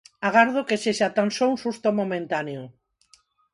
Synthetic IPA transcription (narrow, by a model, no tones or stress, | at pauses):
aɣaɾðokesesat̪ansowsust̪omomẽnt̪aneo